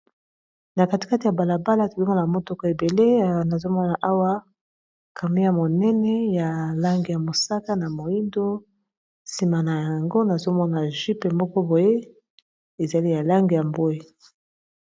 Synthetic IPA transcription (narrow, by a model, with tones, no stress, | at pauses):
na˨ka˨ti̥˨ka˦ti˨ja˨ba˨la˨ba˦la˦to˨li˦ŋɡa˦la˨mo˦tɔ˦kɔ˨e˨be˨le˦˨na˨zo˦mɔ˦na˨ʔa˦wa˦ | kʰa˨me˦ja˦mo˨nɛ˦nɛ˦ja˨la˦ŋɡi˨ja˨mo˨sa˦ka˦na˨mo˨i˦ndo˦ | si˨ma˨na˨ja˨ŋɡo˦na˨zo˦mɔ˦na˨ʒi˦pe˨mɔ˦kɔ˦bo˨je˦ | e˨za˨li˦ja˨la˦ŋɡi˨ja˨mbo˦e˦˨